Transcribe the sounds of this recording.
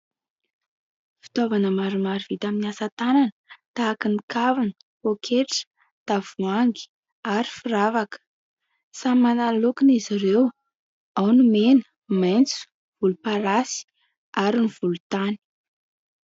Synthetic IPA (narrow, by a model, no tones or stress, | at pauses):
fi̥t̪ovanəmaɾumaɾiv̥it̪aminiasat̪ananət̪aːkinikavanə̥ | okʰeʈ͡ʂə̥ | t̪av̥uaŋɡi̥ | aɾi̥firavakə̥ | samanalokinizirew | awnumenə̥ | majnt͡su̥ | v̥ulupaɾasi̥ | aɾiniv̥ulut̪ani̥